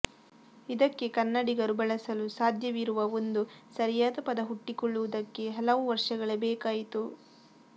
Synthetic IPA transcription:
id̪ɐkːe̞kɐnːɐɽiɡɐɾubɐɭɐsɐlusaːd̪ʱjɐʋiɾuʋɐond̪usɐɾjaːd̪ɐpɐd̪ɐɦuʈːikɔɭːuʋud̪ɐkːe̞ɦɐlɐʋuʋɐɾʂɐɡɐɭɐbɛːkaːjit̪u

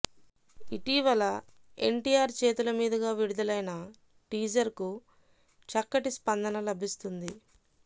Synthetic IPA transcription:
iʈiʋɐlɐ | e̞̰ɳʈijaːɾt͡ʃe̞ːt̪ulɐmiːd̪ɐɡaːʋiɽud̪ɐlɐjnɐ | ʈiːd͡ʒɐɾku | t͡ʃɐkːɐʈispɐnd̪ɐnɐlɐbʱist̪und̪i

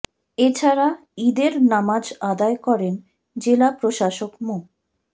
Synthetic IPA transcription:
et͡ɕʰaɾa | id̪eɾnamad͡ʑad̪aekɔɾen | d͡ʑelapɾoʃaʃokmo

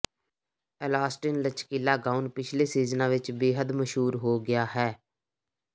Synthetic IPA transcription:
ɛlaːsʈɪnlət͡ʃkiːlaːɡaːʊnpɪt͡ʃʰleːsiːznãːʋɪt͡ʃbeːɦəd̪məʃɦuːɾɦoːɡɪjaːɦɛː

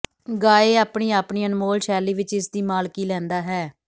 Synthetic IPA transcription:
ɡaːeːaːpɳiːaːpɳiːənmoːlʃɛːliːʋɪt͡ʃɪsd̪iːmaːlkiːlɛ̃ːnd̪aːɦɛː

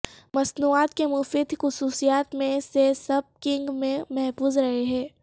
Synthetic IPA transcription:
mɐsnuːaːt̪kemʊfiːd̪ʱxʊsuːsijaːt̪mẽsesɐb̚kɪ̃ŋɡmẽmɛɦfuːzɾɐɦeɦɛ̃ː

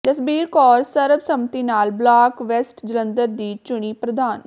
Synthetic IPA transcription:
t̪əsbiːɾkɔːɾsəɾbsəmt̪iːnaːlblaːkʋɛsʈd͡ʒɪlə̃nd̪əɾd̪iːt͡ʃʊɽ̃iːpɾəd̪aːn

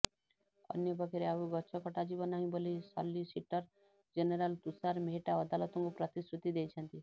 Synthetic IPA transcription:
ʌ̰njɔbɔɡeɾeauɡɔtːt͡ʃʰɔkɔʈad͡ʒibɔnaɦĩbolisɔ̰lːisiʈɔɾ | d͡ʒeneɾalt̪usaɾmeɦʈaɔd̪alɔt̪ɔŋkupɾɔt̪isɾut̪id̪ejt͡ʃʰɔnt̪i

